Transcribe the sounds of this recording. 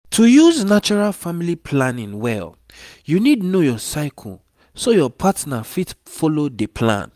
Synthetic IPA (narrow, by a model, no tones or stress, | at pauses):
tʰujuznat͡ʃuɹalfamilipʰlãnĩnwɛ̰l | junidnojɔsaɪkʰɔ̰l | sojɔpʰatnafitfɔlodepʰlã̰n